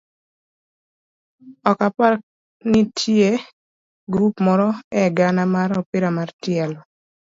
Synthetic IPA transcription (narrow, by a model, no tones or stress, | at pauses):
ɔkapak̚ | nitʰje | ɡɾupmɔɾɔɛɡanamaɾɔpiɾamartjɛlɔ